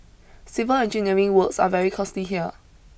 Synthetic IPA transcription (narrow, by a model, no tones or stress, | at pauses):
sɪvəlɛ̃nd͡ʒĩniəɹĩŋwəksa̰vɛɹikʰɔstliɦiə